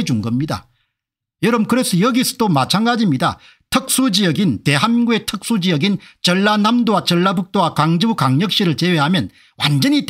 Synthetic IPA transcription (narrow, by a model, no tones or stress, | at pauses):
ed͡ʑunɡʌmɲida̰ | jʌɾʌbkɯɾe̞sʰʌjʌɡisʰʌ̥domat͡ɕʰanɡad͡ʑimɲida̰ | tʰɯk̚s͈ud͡ʑijʌɡinte̞ɦamiɡue̞tʰɯk̚s͈ud͡ʑijʌɡint͡ɕʌɭːanamdowat͡ɕʌɭːabuk̚t͈owakaŋd͡ʑɯbukaŋɲʌk̚ɕ͈iɾɯɭt͡ɕe̞weɦamjʌn | wa̰nd͡ʑʌɲit